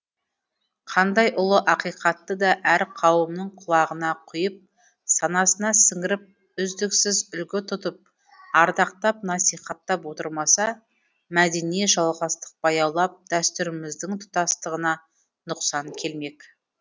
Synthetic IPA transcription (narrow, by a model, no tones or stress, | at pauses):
qʰɑnd̪ɑjʔʊlˠəʔɑqijqʰɑt̪ːəd̪ɑʔæɾqʰɑwəmnəɴqʰʊlˠɑʁənɑqʰʊjəp̚ | sɑnɑsənɑsɪŋɡɪɾɪp̚ | ʏzd̪ɪksɪzʏlɡʲɪt̪ʰʊt̪əp̚ | ɑɾd̪ɑq̚t̪ɑp̚nɑsijχɑt̪ːɑpwo̞t̪əɾmɑsɑ | mæd̪enijeʒɑlˠʁɑst̪ə̥q̚b̥ɑjɑlˠɑp̚d̪̥æst̪ʏɾɪmɪzd̪ɪŋt̪ʰʊ̥t̪ɑst̪əʁənɑ | nʊqsɑŋkʲʰe̞lme̞k